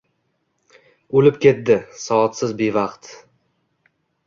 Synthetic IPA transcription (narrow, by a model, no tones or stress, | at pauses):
olɪpkʲe̞t̪̚d̪ɪsɒɒt̪sɪzbe̞vɑqt̪